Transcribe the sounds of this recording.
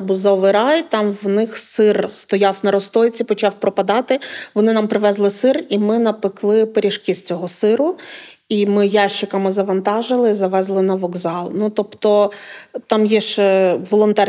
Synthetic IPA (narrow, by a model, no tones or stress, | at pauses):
buzɔʋɪɾɑjt̪ɑmʋnɪxsɪrst̪ɔjɑwnɐɾɔst̪ɔjt͡sʲipɔt͡ʃɑwpɾɔpɐd̪ɑt̪ɪʋɔnɪnɑmpɾɪʋɛzlˠɪsɪrimɪnɐpɪklˠɪpeɾʲiʃkisʲt͡sʲɔɦɔsɪɾʊ | imɪjɑʃɪkɐmɪzɐʋɐnt̪ɑʒɪlˠɪizɐʋɛzlˠɪnɐʋɔɡzɑlˠnut̪ɔpt̪ɔt̪ɑmjɛʃt͡ʃɛʋɔlˠɔnt̪ɑr